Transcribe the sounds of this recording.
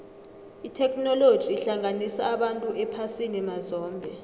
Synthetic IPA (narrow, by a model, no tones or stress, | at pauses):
itʰɛkʰʼnɔlod̥ʒ̥ʱiːɬaŋanisaːɓantʼuʔɛpʰasinimazɔːmbʱɛ